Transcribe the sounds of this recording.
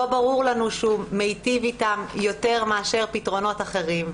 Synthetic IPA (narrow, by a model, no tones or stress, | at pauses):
obaʁuʁlanuʃumejtivitamjo̞te̞ʁmeaʃe̞ʁpitʁo̞no̞taχe̞ʁim